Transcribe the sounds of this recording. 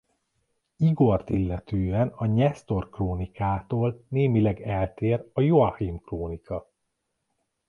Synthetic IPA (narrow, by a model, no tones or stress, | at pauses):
iɡo̞rt̪ilːɛt̪øːɛnɒɲɛst̪o̞rkroːnikaːt̪oːlneːmilɛɡɛlt̪eːrɒjoɒhimkroːnikɒ